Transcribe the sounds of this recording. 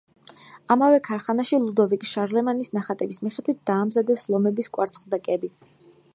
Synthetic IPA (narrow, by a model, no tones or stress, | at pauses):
amavɛkʰaɾχanaʃilˠud̪ɔvikʼʃaɾlɛmanisnaχat̪ʼɛbismiχɛd̪wit̪̚ʰd̪̥aːmzad̪ɛslˠɔmɛbiskʼwaɾt̪sʰχd̪ɛkʼɛbi